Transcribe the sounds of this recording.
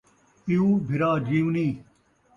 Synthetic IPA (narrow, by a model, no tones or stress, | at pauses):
iuːbʱiɾaːd͡ʑiːũniː